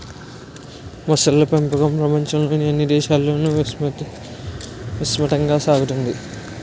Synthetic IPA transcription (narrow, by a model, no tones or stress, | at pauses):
mɐsɐlːɐpempɐɡɐmpɾɐpɐɲt͡ʃɐmlo̞ːniɐnːid̪ɛːʃaːlːo̞ːnu | ʋusmɐʈɐŋɡaːsaːɡut̪und̪i